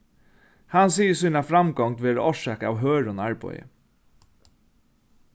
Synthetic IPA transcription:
hɑnsiːəsyːnafɾɑmɡɔŋt̪ʋeːɾɔʂʃɛːkɑ̰ːʋɦøːɹoːnæɹbɔ̰ʏə̰

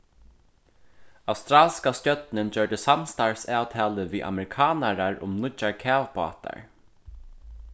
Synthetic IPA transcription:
awst̪ɾaːlskast̪jœt̪nənd͡ʒœɹɖ̪əsamst̪aɹsaːwt̪ʰæːləʋiːʔa̰mɛɾɪkʰɑːnaɾaɹʊ̰mnʊt͡ʃaɹkʰæːʋpɑ̰ːt̪a̰ɹ

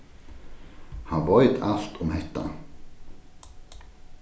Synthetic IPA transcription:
haʋɔʏt̪ʰal̥t̪ʰʊmhɛt̪ːa̰

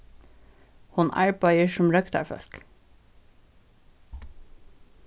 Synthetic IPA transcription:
hʊnʔæ̰ɹbɑɪəʃʊmɾœkt̪ʰɑ̰ɹfœ̰lk

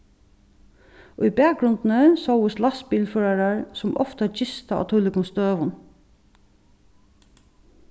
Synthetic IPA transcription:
ʉibæːk̚ɾʊnd̪n̩əsoʊəslɑs̚piːlføːɹaɹaɹsʊmʔɔ̰ft̪əɑt͡ʃɪst̪əɑ̰t̪ʰuːlɪkʊmst̪øːʋʊn

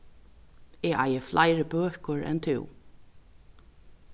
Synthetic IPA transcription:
ɛːa̰jəflajɾəbœːkəɹɛ̰nt̪ʰɪ̰w

